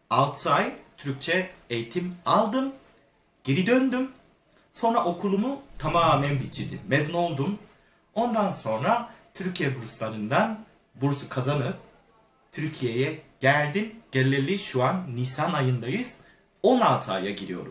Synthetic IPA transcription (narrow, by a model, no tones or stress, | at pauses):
alˠt̪ʰɯajt̪ʰyɾyc̚t͡ʃʰɛejt̪ʰimalˠd̪ɯm | ɟ̥eɾid̪ønd̪ym | so̞nɾaʔo̞kʰulˠumut̪ʰamaːmænbit͡ʃʰid̪imezno̞lˠd̪um | o̞nd̪anso̞nɾat̪ʰyɾcʰijɛbuɾuslˠanɯnd̪an | buɾsukʰazanɯ | t̪ʰyɾcʰije̞jɛɟ̥ælʲd̪inɟ̥elʲːelʲiʃuanːisanajɯnd̪ajɯz̥ | o̞nalˠt̪ʰɯa̰jaɟiɾḭjo̞̰ɾum